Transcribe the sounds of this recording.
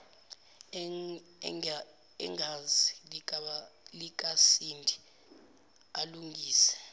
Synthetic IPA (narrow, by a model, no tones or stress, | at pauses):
ɛŋazil | lik̬ʼasindʱi | aluŋɡʱiːsɛ̥